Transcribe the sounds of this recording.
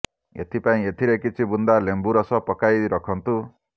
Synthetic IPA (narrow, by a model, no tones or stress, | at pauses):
ḛt̪ʰipaĩet̪ʰiɾekit͡ʃʰibund̪alembuɾɔsɔpɔkajɾɔkʰɔnt̪u